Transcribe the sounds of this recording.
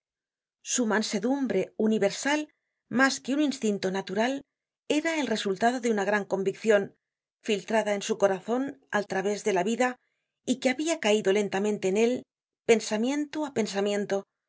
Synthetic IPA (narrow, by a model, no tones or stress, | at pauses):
sumanse̞ðumbɾe̞uniβe̞ɾsal | maske̞uninst̪int̪o̞nat̪uɾal | e̞ɾae̞lre̞sult̪aðo̞ðeunaɣ̞ɾaŋko̞mbikθjo̞n | filt̪ɾaðae̞nsuko̞ɾaθo̞na̰lt̪ɾaβe̞zðe̞laβiða | ikeaβiakaiðo̞le̞nt̪amẽ̞nt̪e̞ːne̞l | pe̞nsamje̞nt̪oape̞nsamjẽ̞nt̪o